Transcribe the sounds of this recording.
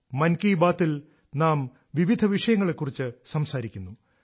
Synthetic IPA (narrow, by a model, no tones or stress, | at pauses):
mɐnkiːbaːt̪ːil | naːm | ʋiʋid̪ʱɐʋiʂɐjɐŋːɐɭe̞kːurit͡ɕːɨsɐmsaːɾikʲːunːu